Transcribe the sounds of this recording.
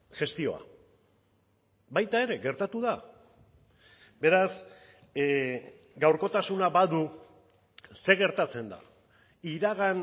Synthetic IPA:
ʝe̞st̪io̞̰a̰ | bajt̪ae̞ɾe̞ɣe̞ɾt̪at̪uða | be̞ɾas | ɡawɾko̞t̪asunabaðu | se̞ɣe̞ɾt̪at͡se̞nd̪a̰ | iɾaɣan

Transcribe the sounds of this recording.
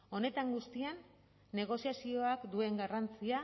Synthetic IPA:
o̞ne̞t̪aŋɡust̪ianː | e̞ɣ̞o̞siasio̞akd̪ue̞ŋɡarant͡sia

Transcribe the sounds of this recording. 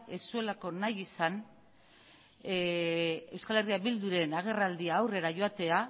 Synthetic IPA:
e̞sue̞lako̞najisan | e̞wskale̞riabild̪uɾe̞naɣ̞e̞rald̪iaːwre̞ɾaʝo̞at̪e̞a

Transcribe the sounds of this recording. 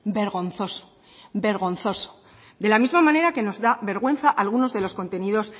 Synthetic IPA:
be̞ɾɣo̞nθo̞so̥ | be̞ɾɣ̞o̞nθo̞so̥ | d̪e̞lamizmamãne̞ɾake̞no̞zðaβe̞ɾɣwe̞nθaʔalɣ̞uno̞zðe̞lo̞sko̞nt̪e̞niðo̞s

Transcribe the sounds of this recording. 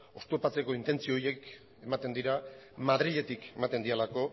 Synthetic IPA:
o̞st̪opat͡se̞ko̞int̪e̞nt͡sioːje̞k | e̞mat̪e̞nd̪iɾa | mað̞ɾiʎe̞t̪ike̞mat̪e̞nd̪ielako̞

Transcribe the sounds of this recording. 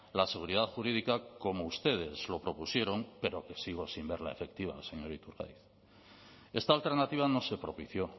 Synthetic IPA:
lase̞ɣ̞uɾiðaðxuɾiðikako̞mo̞ust̪e̞ð̞e̞zlo̞pɾo̞pusje̞ɾo̞ŋpe̞ɾo̞ke̞siɣ̞o̞simbe̞ɾlaefe̞k̚t̪iβ̞a̰se̞ɲo̞ɾit̪uɾɣa̰jθ | e̞st̪aːlt̪e̞ɾnat̪iβ̞ano̞se̞pɾo̞piθjo̞

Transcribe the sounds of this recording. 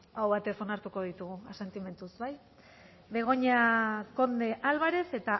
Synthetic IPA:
awβat̪e̞so̞naɾt̪uko̞ð̞it̪uɣ̞uase̞nt̪ime̞nt̪usbaj | be̞ɣ̞o̞ɲako̞nd̪e̞ʔalβaɾe̞se̞t̪a

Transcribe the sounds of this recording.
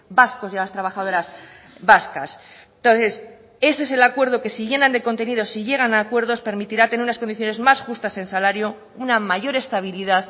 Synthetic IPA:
basko̞sjalast̪ɾaβ̞axaðo̞ɾaz | βaskas | t̪o̞nθe̞s | e̞seese̞lakwe̞ɾðoke̞siʝe̞nand̪e̞ko̞nt̪e̞nið̞o̞siʝe̞ɣ̞anaːkwe̞ɾðo̞spe̞ɾmit̪iɾat̪e̞neɾunaskoniθjo̞ne̞zmasxust̪ase̞nsalaɾjo̞ | unamaʝo̞ɾe̞st̪aβ̞iliðað

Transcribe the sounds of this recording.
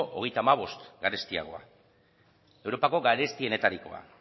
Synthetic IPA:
ʔo̰ɣ̞e̞jt̪aːmaβ̞o̞st̪ɡaɾe̞st̪ia̰ɣ̞o̞a̰ | e̞wɾo̞pako̞ɡaɾe̞st̪ie̞ne̞t̪aɾiko̞̰a̰

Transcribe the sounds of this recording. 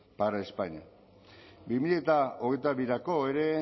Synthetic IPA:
paɾaespaɲa | bimiʎet̪aoɣejt̪aβiɾako̞eɾe̞

